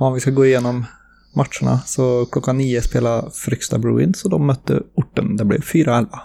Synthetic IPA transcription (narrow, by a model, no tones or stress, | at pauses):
ɔnʋɪskɑɡoːɪjɛnːɔm | mɑʈʃəɳə̰sɔkʰlɔkːɑniːəspeːlɑfɾʏkst̪ɑ̰bɽʉ̰ːɪ̰nsɔd̪ɔmœt̪ːə̰ʊʈːə̰nd̪ɛblɛ̰fyːɾɔɛlʋə